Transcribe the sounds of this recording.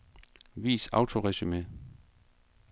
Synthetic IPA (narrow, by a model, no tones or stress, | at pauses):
ʋḭːsɑ̈ʊt͡sʰo̝ʁɛsyme